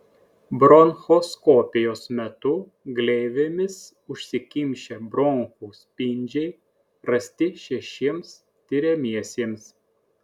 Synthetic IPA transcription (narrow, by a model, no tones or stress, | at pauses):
bɾɔnxoːskoːpʲɪjoːsmʲɛt̪ʊ | ɡlʲɛɪʋʲemʲɪs | ʊʃʲsʲɪkʲɪmʲʃʲeːbɾɔŋxuːsʲpʲɪnʲd͡ʒʲɛɪ | ɾɐsʲt̪ʲɪʃʲɛʃʲiɛms | t̪ʲɪɾʲemʲiɛsʲiːms